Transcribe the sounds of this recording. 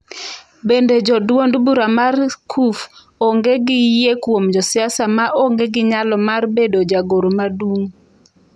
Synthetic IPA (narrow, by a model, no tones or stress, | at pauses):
bended͡ʒɔdwondbuɾamarkʰuf | oŋɡeɡɪjekwomd͡ʒɔsɪasamaʔoŋɡeɡɪɲalɔmarbedod͡ʒaɡoɾomaduŋ